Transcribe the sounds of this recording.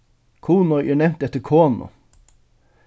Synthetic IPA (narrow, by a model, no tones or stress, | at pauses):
kʰuːnɔʔḭːnɛmt̪ɛt̪əkʰoːnʊ̰